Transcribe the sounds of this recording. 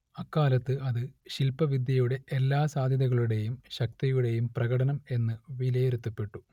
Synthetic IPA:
ɐkːaːlɐt̪ːɨʔɐðɨɕilpɐʋid̪ʱjɐjuɽe̞ʔelːaːsaːd̪ʱjɐðɐɣɐɭuɽe̞jumɕɐk̚t̪ɐjuɽe̞jumprɐɣɐɽɐnɐme̞nːɨʋilɐjeɾut̪ːɐpːe̞ʈːu

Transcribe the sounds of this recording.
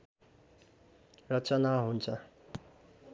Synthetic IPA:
rʌt͡sʌnaɦunt͡sʰʌ

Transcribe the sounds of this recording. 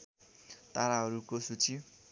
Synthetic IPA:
t̪aɾaɦʌɾukosut͡si

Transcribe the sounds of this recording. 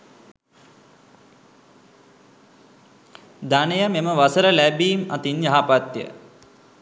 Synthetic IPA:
d̪anəjəmeməʋasəɾəlæbiːmɐ̰t̪injaɦapat̪jə̰

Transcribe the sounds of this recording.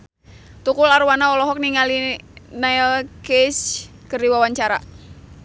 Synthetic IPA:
t̪ukulaɾwanaɔlɔɦɔk̚niŋalinailkɛs | kərdiwawaɲt͡ʃaɾa̰

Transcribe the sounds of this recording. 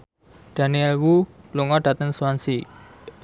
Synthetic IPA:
ɖ̥a̤niɛlwu | pluŋɔɖ̥a̤t̪əŋsuansi

